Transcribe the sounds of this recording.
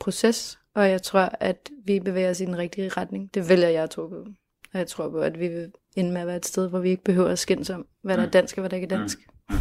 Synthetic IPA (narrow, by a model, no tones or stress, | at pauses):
pʰʁo̝ses | ɒ̽jɑ̈ɪt͡sʰʁo̝ɐ̰æd̥ʋib̥e̝ʋḛːɐɒsid̥enʁɛɡ̥̚d̥iʁɑd̥ne̝ŋd̥e̝ʋeljɑjɑ̈ɪt͡sʰʁo̝pʰɔ̽ | ɒ̽jɑ̈ɪt͡sʰʁo̝ɐ̰pʰɔ̽æd̥ʋiʋe̝ | e̝nəmeæʋæːɐed̥sd̥eð̞ˠʋɒʋie̝ɡ̥əb̥e̝ɦøʊ̰ɐæsɡ̥en̰sɒ̽m̰ | ʋæɾɑ̈æd̥æn̰sɡ̥ɒʋæɾ̥ɑ̈e̝ɡ̥d̥æn̰sɡ̥